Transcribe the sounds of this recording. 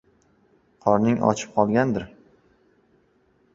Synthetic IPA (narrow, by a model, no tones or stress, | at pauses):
qʰɒɾnɪŋʔɒ̰t͡ʃʰɪ̥p̚qʰɒlˠɡʲand̪ɪɾ